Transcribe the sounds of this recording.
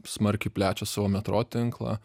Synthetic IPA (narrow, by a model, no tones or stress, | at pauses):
smɐɾʲkʲɪpʲlʲæːt͡ʃʲosɑːʋoːmʲɛt̪ɾoːt̪ʲɪŋklˠɑ̰